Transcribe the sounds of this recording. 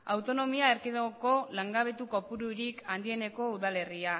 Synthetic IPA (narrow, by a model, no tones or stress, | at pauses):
awt̪o̞no̞miaeɾkiðooko̞laŋɡaβe̞t̪uko̞puɾuɾikʰand̪ie̞ne̞ko̞uðale̞ria